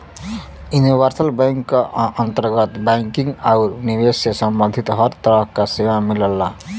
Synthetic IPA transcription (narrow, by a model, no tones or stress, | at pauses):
juniʋəɾsəlbajŋkːaənt̪əɾɡət̪baŋkiŋɡauɾnibesjəsəmbə̃nd̪ʱit̪ɦʌɾt̪əɾəɦkasewamiləlːa